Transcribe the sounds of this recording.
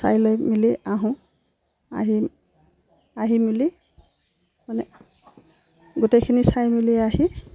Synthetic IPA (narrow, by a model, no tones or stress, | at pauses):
sa̰jlojmiliaɦʊ̃ | a̰ɦi | aɦimili | manɛ | ɡutekʰinisajmiliaɦi